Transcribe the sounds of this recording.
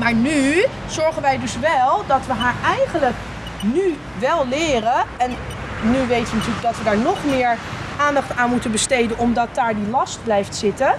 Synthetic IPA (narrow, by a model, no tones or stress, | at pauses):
maːɹny | z̥ɔɹχənʋɛjdɵsʋɛlˠdɑtʋəɦaːɹɛjχənlək | ny | ʋɛlˠlɪːrəɛnː | yʋejtəʋənɑtyːɹləɡ̚dɑtʋədaːɹnɔχmɪːɹ | ʔaːndɑχtaːnmutənbəstejdənɔmdɑt̚daːɹdilɑst̚blɛjftsɪtə